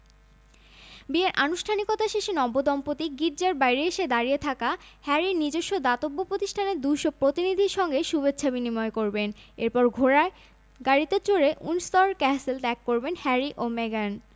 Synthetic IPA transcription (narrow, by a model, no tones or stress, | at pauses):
bieɾʔanuʃʈʰanikot̪aʃeʃinɔbod̪ɔmpot̪iɡiʈ̚d͡ʑaɾbajɾieʃed̪aɾiet̪ʰakahɛɾiɾnid͡ʑoʃːod̪at̪obːopɾot̪iʃʈʰaneɾd̪ujʃopɾot̪inid̪ʱiɾʃɔŋɡeʃubet͡ɕːɕʰabinimɔekoɾbeneɾpɔɾɡʱoɾa | ɡaɽit̪et͡ɕoɾeʔunst̪ɔɾkɛselʈ̪ɛkːoɾbenhɛɾiʔomeɡan